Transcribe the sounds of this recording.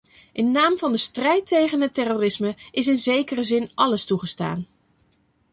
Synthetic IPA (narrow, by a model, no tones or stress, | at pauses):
ʔɪnːaːmvɑndəstrɛjtʰejχənɦətɛroːrɪsməʔɪs̬ɪnzejkərəzɪnʔɑləstuχəsta̰ːn